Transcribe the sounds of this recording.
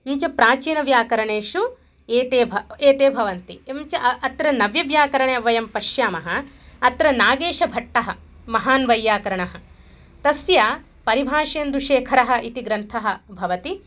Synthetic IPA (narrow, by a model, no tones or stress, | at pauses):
ɲt͡ʃɐpɾaːt͡ʃiːnɐʋjaːkɐɾɐɳeːʃu | eːt̪eːbʱeːt̪eːbʱɐʋɐnt̪iɲt͡ʃɐɐt̪ɾɐnɐʋjɐʋjaːkɐɾɐɳeːɐʋɐjɐmpɐʃjaːmɐɦɐ | ɐt̪ɾɐnaːɡeːʃɐbʱɐʈːɐɦɐ | mɐɦaːnʋɐjːaːkɐɾɐɳɐɦɐ̆ | t̪ɐsja | pɐɾibʱaːʂɐjɐnd̪ɾuʂeːkʰɐɾɐɦɐ̆ʔit̪iɡɾɐnt̪ʰɐɦɐ̆bʱɐʋɐt̪i